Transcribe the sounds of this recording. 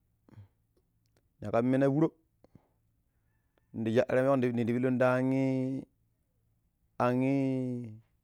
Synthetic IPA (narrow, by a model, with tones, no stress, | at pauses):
ɲa˨ka˦mi˦na˦wu˦ɾo˦˨ | n̩˨di˨d͡ʒa˦˨ʔɾe˦˨ni˨di˨bi˦lo˦n˦da˦ŋi˦ | a˨ŋi˦